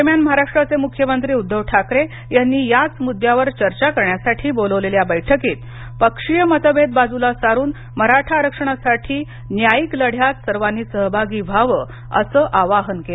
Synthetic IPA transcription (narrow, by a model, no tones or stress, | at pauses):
mjanməɦaɾaʂʈɾat͡semukʰjəmənt̪ɾiːud̪ʱːəʋʈʰakɾe | janːiːjat͡smud̪ʱjaʋəɾt͡ɕəɾt͡ɕakəɾɳjasaʈʰiːboləʋleljabəjʈʰəkiːt̪ | pəkʂijəmət̪ʰəbed̪̚bad͡zulasaɾuːn | məɾaʈʰaɾəkʂəɳ̃asaʈʰiː | njajikləɽʱjat̪səɾʋanːiːsəɦbʱaɡiːbʱaʋə | ə̰səːʔaʋaɦənke